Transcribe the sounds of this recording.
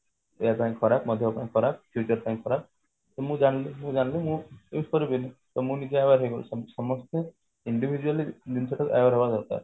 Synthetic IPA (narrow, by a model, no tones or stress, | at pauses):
eapaj̃kkʰɔɾap̚mɔd̪ʱjɔpaj̃kʰɔɾap̚pʰjut͡ʃɔɾpaj̃ŋkʰɔɾap̚ | t̪ɔmũd͡ʒanlemũd͡ʒanlemũeusɔɾibinit̪ɔmũnid͡ʒeajaɾɦejɡɔlṵssɔmɔst̪e | iɳɖibʱid͡ʒualid̪unsʰeʈɔka̰jbaɾɦɔbasɔɾka̰ɾ